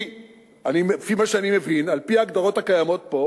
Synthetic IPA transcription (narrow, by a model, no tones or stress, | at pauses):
animfimaʃeanime̞vinalpiaːɡd̪aʁo̞t̪akajamo̞t̚po̞